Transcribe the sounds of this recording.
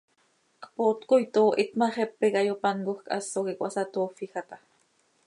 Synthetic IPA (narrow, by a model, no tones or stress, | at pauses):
qpot̪kojt̪oːʔit̪maχepːekajopankoxka̰sːokikʷʔasat̪oːfixat̪a